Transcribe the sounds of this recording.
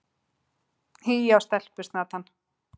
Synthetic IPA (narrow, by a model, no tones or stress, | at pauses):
hijawst̪ɛl̥pʏst̪nat̪anː